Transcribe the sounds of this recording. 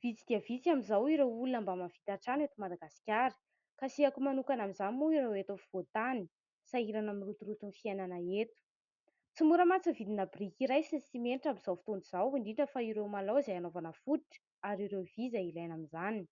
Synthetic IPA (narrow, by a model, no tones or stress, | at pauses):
v̥it͡sid̪iavit͡siamizawiɾewulunambamafi̥t̪aʈ͡ʂanet̪umad̪aɡasi̥kʲaɾə̥ | kasiakumanukanamizanimuiɾewet̪ofiv̥ot̪ani̥ | saiɾanamirut̪uɾut̪unfiajnanəet̪u̥ | t͡simuɾəmat͡səvid̪inabrikiɾajsinsimeniʈ͡ʂambizawfi̥t̪oniz̥awiɳɖ͡ʐiɳʈ͡ʂəfaiɾewmalowzajanovanəfud̪iʈ͡ʂə̥ | aɾiɾewvizailajnamizanin